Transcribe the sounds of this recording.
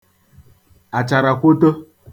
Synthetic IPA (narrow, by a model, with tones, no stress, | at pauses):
a˨t͡ʃa˨ɾa˨kʷo˦to˦